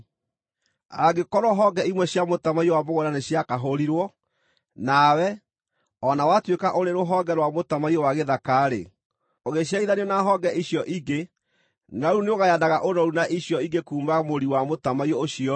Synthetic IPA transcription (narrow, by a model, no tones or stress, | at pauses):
aɡekɔɾwɔɦɔɡɛimwɛɕjamotamaiowamoɣoɾaneɕjakaɦoɾiɾwɔ | nawɛ | ɔnawatwekaʔoɾeɾoɦɔɡɛɾwamotamaiɔwaɣeðakaːɾḛ | oɣeɕjaiðaniɔnaɦɔɡɛiɕjɔʔiɡe | naɾuneoɣajadaɣaʔoɾɔɾunaʔiɕjɔiɡekuːmaɣmoɾiwamotamaiɔoɕiɔ